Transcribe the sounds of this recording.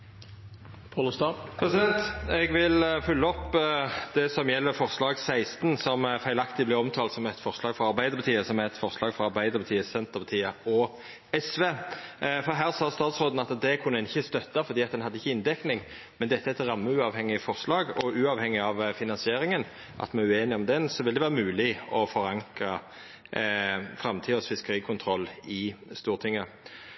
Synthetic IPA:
pʰɑlɔst̪ɑːpʰɾɛsɪd̪ɛnt̪ɛɡʋɪlfʉlːəɔpːd̪ɛsɔmjɛlːəɾfɔʁslɑːɡsæɪst̪nsɔmfæɪlɑkt̪ɪblɪɔmt̪ʰɑːlt̪sɔmɛt̪fɔʁslɑːɡfɔɾɑɾʁbæɪd̪əɾpʰɑt̪ʰiːəsɔmæɾɛt̪fɔʁslɑːɡfɔɾɑɾbæɪd̪əɾpɑt̪iːəsɛnt̪əʁpʰɑt̪ʰiːəɔ | ɛsʋeːfɔɾɦæːʁsɑːst̪ɑːt̪sʁoːd̪n̩ɑt̪d̪ɛkʰʉnːəɛnɪçːəst̪œt̪ːɑfɔɾd̪iːɑt̪d̪ɛnɦɑd̪ːɪçːəɪnd̪ɛknɪŋ | mɛnd̪ɛt̪ːəɛt̪ɾɑmːəʉːɑʋhɛŋːɪfɔʁslɑːɡɔʉːɑːʋhɛŋːɪɑʋfɪnɑnsɪeːɾɪŋən | ʔɑ̰t̪mɛnʉeːnɪɔmd̪ɛnsɔʋɪld̪ɛʋæːɾəmʉːlɪɔfɔɾɑŋkɾɑ | fɾɑmt̪ʰiːɔsfɪskəɾiːkʰʊnt̪ʰɾɔlːɪst̪uːɾt̪ʰɪŋːə

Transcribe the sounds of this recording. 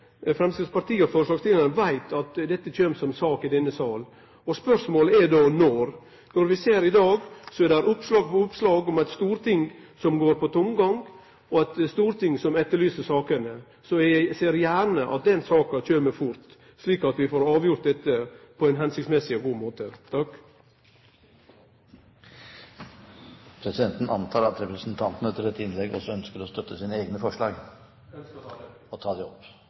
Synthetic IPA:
fɾɛmst̪ɪspɑɾt̪ʰiːɔfɔːɾəʂɭɑːɡst̪ʰɪɑnəʋæɪt̪ʰɑt̪d̪ɛt̪ːəc͡çøːmsɔmsɑːkɪd̪ɛnːəsɑːl | ɔspœʂmoːlɛdonɔɾ | nɔɾʋɪseːɾɪd̪ɑːɡsɔɛdæɾʊpːslɑːɡpɔʊpslɑːɡɔmɛɪt̪st̪uːɾt̪ʰɪŋsɔmɡoːɾpʰɔt̪ʰʊmɡɑŋɡ | ɔæt̪st̪uːɾt̪ʰɪŋsɔmɛt̪ːəɾɭyːsəsɑːkənə | sɔjseːɾjæːɾɳəʔɑ̰t̪̚d̪ɛnsɑːkɑc͡çøːməfʊɾt̪ | sliːkɑt̪ʋɪfoːɾɑːʋjʊɾt̪̚d̪ɛt̪ːəpʰɔɛnɦɛnsɪktsmɛsɪɔɡuːmoːt̪ət̪ʰɑk | pʰɾɛsɪd̪ɛnt̪n̩ɑ̰nt̪ʰɑːɾɑt̪ɾɛpɾəsnt̪ʰɑnt̪nət̪ʰːɪlɛt̪ːɪnlɛɡɔ̰sɔœnskəɾɔst̪œt̪ːəsiːnəeːɡnəfɔʂɭɑ̰ːɡ | ɔt̪ʰɑːd̪ɛɔp

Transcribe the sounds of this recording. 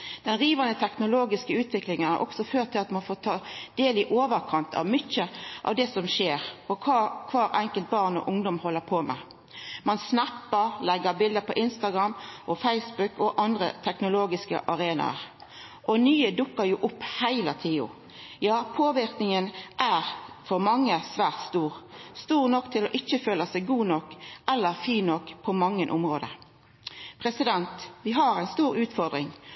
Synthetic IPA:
d̪̥ɛnʁiːʋɑnət̪ʰɛknʊloːɡɪskəʉːt̪ʋɪklɪŋənhæ̰ʔɔ̰ksɔføːʁt̪ʰːɪlɑt̪mɑnfoːt̪ʰɑːd̪̥eːlɪʔoːʋəɾkʰɑnt̪ʰɑ̰ʋmʏçəʔɑ̰ʋd̪ɛsɔmʃeːɾɔkʰɑkʰʋɑːɾʔɛŋkəlt̪̚bɑʁnɔ̰ʔʊŋd̪ɔmhɔlːəpʰoːmɛ̰ | mɑnsnæpːəɾlɛɡːəbɪld̪əpʰɔʔɪnst̪ɑɡɾɑmːʔɔfæɪsbʉkɔʔɑnd̪ɾə̰t̪ʰɛknʊloːɡɪskə̰ʔɑɾeːnɑ̰əɾ | ʔɔnyːəd̪ʊkːəɾjuːʔʊpːhæɪlət̪ʰiːʊ̰ | jɑːpʰoːʋɪʁknɪŋənʔæːʁfɔɾmɑŋːəsʋæːʁt̪st̪uːʁst̪uːʁnɔkːt̪ʰɪlɔʔɪçːəføːləsæɪɡuːnɔkːɛlːəɾfiːnɔkːpʰɔmɑŋːənʔʊmʁoːd̪ə̰ | pʰɾɛsɪd̪ɛnt̪ʋɪɦɑɾæɪnst̪uːɾʉːt̪fɔʁd̪ɾɪŋ

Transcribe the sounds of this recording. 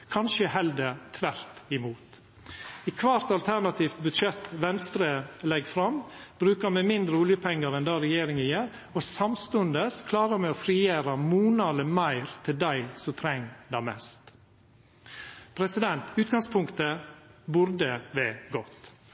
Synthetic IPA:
kʰɑnʃəhɛld̪ət̪ʰʋæɾt̪ɪmuːt̪ | ɪkʰʋɑɾt̪ɑlt̪ʰæɾnɑt̪ʰiːft̪̚bʉd̪ʃɛt̪ʋɛnst̪ɾəlɛɡfɾɑmb̥ɾʉːkəɾmɛmɪnd̪ɾəuːljəpʰɛŋːəɾɛnd̪ɑːɾɛjeːɾɪŋɪjeːɾ | ɔsɑmst̪ʉnd̪əskʰlɑːɾəɾmɛɔfɾiːeːɾɑmuːnɑd̪ləmæɪɾt̪ʰɪld̪æɪsɔt̪ʰɾɛŋːd̪ɑmɛ̰st̪ | pʰɾɛsɪd̪ɛnt̪ʉːt̪ɡɑŋspʰʊŋkt̪əbʉɾd̪əʋɛɡɔt̪

